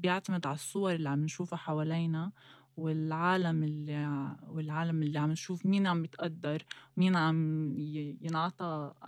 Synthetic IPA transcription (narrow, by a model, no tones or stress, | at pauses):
bjɪʕt̪amɪd̪ʕalɑsˤːʊwɑɾˤɪlːiʕamːɪnʃuːfaħawaːliːna | wɪlʕaːlamɪlːiwɪlʕaːlamɪlːiʕamːɪnʃuːfmiːnʕamːɪt̪ʔad̪ːɑɾˤwmiːnʕam | jɪnʕɑt̪ˤɑ